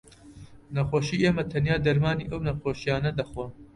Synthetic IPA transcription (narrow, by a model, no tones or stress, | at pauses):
nɐxʷoːʃiːʔeːmɐt̪ʰɐnjaːd̪ɐɾmaːnḭːʔɐwnɐxoːʃijaːnɐd̪ɐxwɐ